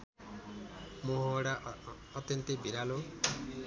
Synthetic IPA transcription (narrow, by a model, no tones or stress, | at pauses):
moɦoɽaː | t̪jʌnt̪ibiɾalo